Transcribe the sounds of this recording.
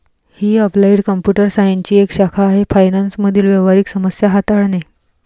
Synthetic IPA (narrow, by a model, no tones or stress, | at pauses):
hiːəplaiɽkəmpjuʈəɾsajəɲt͡ɕiːekɕakʰaːɦefajnansməd̪ʱiːlʋeʋaɾiːksəməsjaɦat̪aɽne